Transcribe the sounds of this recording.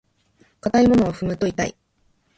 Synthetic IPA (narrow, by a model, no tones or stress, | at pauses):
kat̪aimo̞no̞βaɸɯ̟mɯ̟t̪o̞it̪a̰ḭ